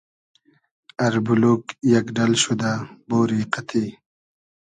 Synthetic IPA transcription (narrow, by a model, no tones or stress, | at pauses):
ɐɾbuluːkjɐkɖɐlɕud̪aboːɾiːqɐt̪ʰiː